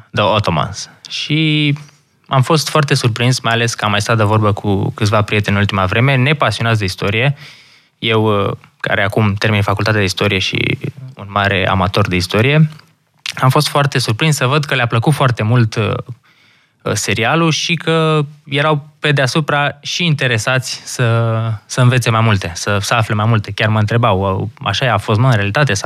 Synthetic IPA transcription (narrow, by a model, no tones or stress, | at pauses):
d̪əot̪o̞ma̰nsʃi | amfo̞st̪foart̪e̞surpɾinsmajale̞skəamːajst̪at̪d̪evo̞rbəkʰṵkɨt̪svapɾijet̪enult̪imavɾe̞me̞ne̞pasionat̪d̪eist̪o̞ɾije̞ | je̞wka̰ɾeakumt̪e̞rminfakult̪at̪ead̪ist̪o̞ɾije̞ʃḭṵnmaɾe̞ʔa̰mat̪o̞rd̪eist̪o̞ɾije̞ | amfo̞st̪foart̪e̞surpɾinssəvəd̪kəleapləkut̪foart̪e̞mult̪ | se̞ɾialuʃikəje̞ɾawpe̞d̪easupɾaʃiːnt̪e̞ɾe̞sat̪sʲsəsəɨnve̞t̪se̞majmult̪e̞səsəafle̞majmult̪e̞kʲjarməɨnt̪ɾe̞bawa̰ʃajaːfo̞st̪mɨnɾealit̪at̪̬e̞sa